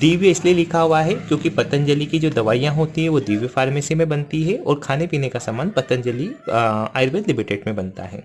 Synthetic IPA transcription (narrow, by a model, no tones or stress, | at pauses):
d̪iːʋjɪslielɪkʰaɦuaɦɛkjõːkipɐt̪ənd͡ʒəlikid͡ʒoːd̪ɐʋaːijãɦoːt̪iɦɛ̃ʋod̪iːʋjəfaːɾmeːsimẽbɐnt̪iɦɛɔːɾkʰaːnepiːnekasamaːnpɐt̪ə̃nd͡ʒɐlia̰ːɪɾbeːd̪lɪmɪʈeːɖmẽbɐnt̪a̰ɦɛ̰ː